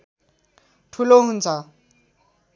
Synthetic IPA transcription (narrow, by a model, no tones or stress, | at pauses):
ʈʰuloɦunt͡sʰʌ